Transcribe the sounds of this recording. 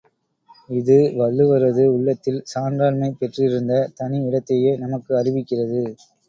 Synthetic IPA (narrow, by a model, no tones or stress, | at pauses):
ɪðɯʋɐɭːɯʋɐɾɐðɯʊɭːɐt̪ːɪlsaːndraːlmɐɪpɛʈrɪɾɯnd̪ɐt̪ɐnɪɪɽɐt̪ːɐjeːnɐmɐkːɯɐrɪʋɪkːɪrɐðɯ